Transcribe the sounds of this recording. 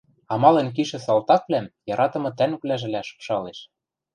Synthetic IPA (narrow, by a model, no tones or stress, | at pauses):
ɑmɑlĕnk̬iʃɘ̆sɑlt̪ɑkβlæmjɑɾɑt̪ɤ̆mɤ̆t̪ænuplæʒɘ̆læʃɤ̥̆pʃɑleʃ